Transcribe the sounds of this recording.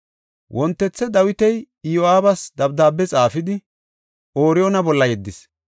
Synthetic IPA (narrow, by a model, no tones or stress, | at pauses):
wʔɔnt̪ːɛt͡sːɛd̪ɐwɪt̪ɛj | joʔaːbɐsd̪ɐbd̪aːbːɛt͡sʼaːfɪd̪ɪ | ʔoːɾɪjoːnɐbɔlːɐjɛd̪ːɪs